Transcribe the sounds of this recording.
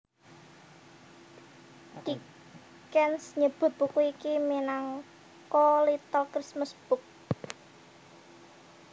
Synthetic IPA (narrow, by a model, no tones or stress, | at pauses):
d̥i | kɛnsɲəb̥ʊ̤t̪̚b̥ṳkuikiminaŋ | kɔlit̪ɔlkɾismʊsb̥ʊ̤k̚